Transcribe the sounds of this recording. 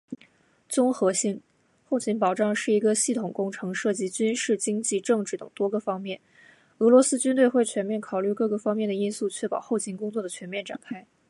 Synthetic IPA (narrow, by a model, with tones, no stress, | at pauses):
t͡sʊ˥ŋxɤ˧˥ɕi˥n | xo˥˩ʊt͡ɕʰi˧˥npɑ˨˩ʊʈ͡ʂɑ˥˧ŋʂɻ̩˥˩i˧˥ɡə˧ɕi˥˩t̪ʰʊ˨˩ŋkʊ˥ŋʈ͡ʂʰɤ˧˥ŋʂɤ˥˩t͡ɕi˧˥t͡ɕy˥nʂɻ̩˥˩t͡ɕi˥ŋt͡ɕi˥˧ʈ͡ʂɤ˥˧ŋʈ͡ʂɻ̩˥˩t̪ɤ˨˩ŋt̪wɔ˥ɡə˨fɑ˥ŋmjɛ˥˩n | ɤ˧˥lwɔ˧˥sɹ̩˥t͡ɕy˥nt̪we˥˧ɪxwe˥˩ɪt͡ɕʰɥɛ˧˥nmjɛ˥˩nkʰɑ˨˩ʊly˥˧kɤ˥˧ɡɤ˥˩fɑ˥ŋmjɛ˥˩nd̪ə˩i˥nsu˥˧t͡ɕʰɥɛ˥˩pɑ˨˩ʊxo˥˩ʊt͡ɕʰi˧˥nkʊ˥ŋt͡swɔ˥˩d̪ə˩t͡ɕʰɥɛ˧˥nmjɛ˥˩nʈ͡ʂa̰˨˩nkʰa˥ɪ